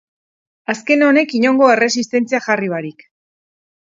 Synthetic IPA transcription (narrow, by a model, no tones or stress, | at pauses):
aske̞no̞ne̞kiɲo̞ŋɡo̞e̞re̞sist̪e̞nt͡siaʝariβaɾik